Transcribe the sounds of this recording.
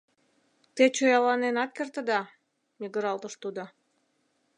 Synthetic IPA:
t̪et͡ɕojɑlɑnenɑt̪̚kert̪ə̆d̪ɑ | miɣəɾɑlt̪əʃt̪ud̪o

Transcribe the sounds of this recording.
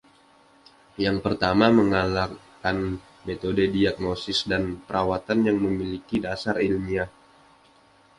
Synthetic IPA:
jaŋpərt̪amaməŋalakan | met̪odədiak̚nosɪsdanpəɾʔawat̪anjaŋməmilikidasaɾilmia

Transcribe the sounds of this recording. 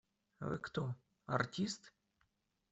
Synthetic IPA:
a̰vɨ̰kt̪o | a̰rtʲist̪

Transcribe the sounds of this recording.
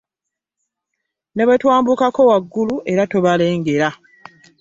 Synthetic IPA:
ne̞βetwaːmbukako̞waɡːuluʔe̞ɾato̞βale̞ːŋɡe̞ɾa

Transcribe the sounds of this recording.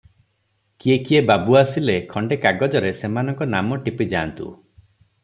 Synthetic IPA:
kiekiebabuasilekʰɔɳɖekaɡɔd͡ʒɔɾesemanɔŋkɔnamɔʈipid͡ʒaːnt̪ṵ

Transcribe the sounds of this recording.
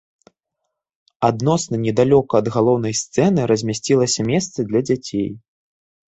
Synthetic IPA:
ad̪nɔsnɐnʲɛd̪alʲɔkɐːd̪ɣalˠɔwn̪ɐjst̪sɛnɨɾɐzʲmʲasʲt͡sʲilˠɐsʲɐmʲɛst̪sɨd̪lʲɐd͡zʲat͡sʲej

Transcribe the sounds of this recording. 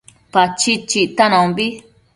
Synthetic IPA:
pat͡ʃit͡ʃiʔt̪anãmbi

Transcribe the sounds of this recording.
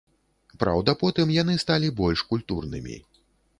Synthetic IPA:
pɾa̰wd̪ɐpɔt̪ɨmjan̪ɨst̪alʲibɔlʲʂkulʲt̪urnɨ̰mʲḭ

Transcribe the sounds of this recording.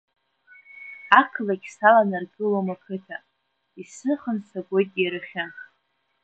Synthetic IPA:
akʰlakʲsalanarɡʼɨlomakʰɨtʰa | isɨχənsaɡʷojtʼjaɾɨχʲanχ

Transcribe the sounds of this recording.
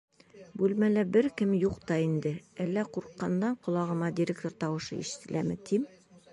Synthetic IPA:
bʉlmælæbɘɾkɘmjuqt̪ɑind̪ɘælːæquɾqːɑnd̪ɑɴqŏlˠɑʁɤ̆mɑd̪ʲɪɾʲek̚t̪oɾt̪ɑwɤ̆ʃɤ̰ḭʃɘ̥̆t̪ɘ̆læmɘt̪ʰim

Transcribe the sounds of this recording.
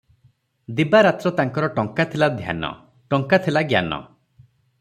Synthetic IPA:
d̪ibaɾat̪ɾɔt̪aŋkɔɾɔʈɔŋkat̪ʰilad̪ʱja̰nɔ̰ | ʈɔŋkat̪ʰilaɡja̰nɔ̰

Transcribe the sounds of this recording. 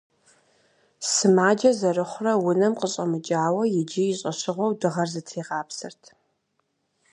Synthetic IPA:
sɨmaːd͡ʒɐzɐrɨχʷrɐwʊnɐmqəɕʼɐmɨt͡ʃʼaːwɐjɪd͡ʒijɪɕʼɐɕɪʁʷɔwdɨʁɐrzɨtʰeːʁɑːpsɨ̰rtʰ

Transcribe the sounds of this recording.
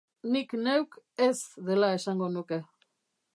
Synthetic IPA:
nikne̞wke̞zðe̞lae̞saŋɡo̞nuke̞

